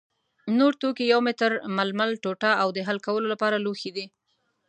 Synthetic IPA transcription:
noɾt̪okijawmɪt̪əɾmalmalʈoʈaawd̪əɦalkawəlolapɑɾaloxid̪i

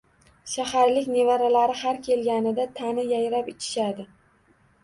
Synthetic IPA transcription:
ʃahaɾlɪkʲne̞vaɾalaɾɪhaɾkʲʰe̞lɡʲanɪd̪at̪ʰanɪjajɾapɪt͡ʃʰɪ̥ʃad̪ɪ

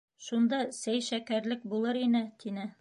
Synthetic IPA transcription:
ʃund̪ɑsæjʃækæɾlɘk̚bulˠɤɾinɘt̪ʰinɘ

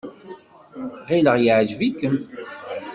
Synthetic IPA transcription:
ʁiləʁjəʕd͡ʒvikəm

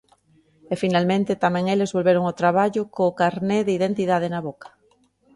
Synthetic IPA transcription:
efinalmẽnt̪ɪt̪amɛ̃ŋelezβolβeɾoŋot̪ɾaβ̞aʎʊkoːkaɾneðɪiðent̪iðað̞enaβokɐ̥

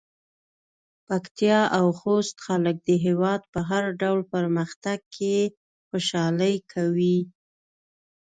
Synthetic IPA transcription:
pakt̪ijɑʔawxost̪xalək̚d̪əɦewɑd̪̚pəɦaɾɖawlpəɾməxt̪aɡ̚kʰe | xoʃɑləjkʰawi

